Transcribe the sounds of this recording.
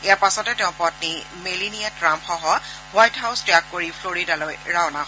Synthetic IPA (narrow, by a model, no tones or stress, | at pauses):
ejapasɔtɛtɛʊ̃pɔtni | meliniatɹampxɔɦɔ | wajtɦaʊstɹakkːoɹipʰloɹidalojɹawna